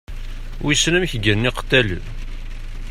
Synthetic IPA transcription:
wisnəmçɡəɾniqə̥t̪ːæl̰

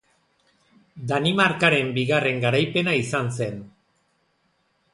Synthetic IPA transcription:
d̪animaɾkaɾe̞mbiɣare̞ŋɡaɾajpe̞naisanse̞n

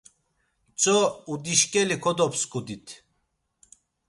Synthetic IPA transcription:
t͡sʼɔud̪iʃkʼɛlikʰɔd̪ɔpskʰʼud̪it̪ʰ

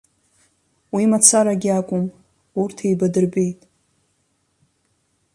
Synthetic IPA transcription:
wimat͡sʰaɾaɡʲiakʷʼʊm | urtʰejbadɨrbejtʼ

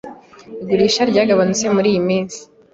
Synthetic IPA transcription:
iɡuɾiːʃaɾɟaːɡaβanut͡se̞muɾiːjimiːnzi̥

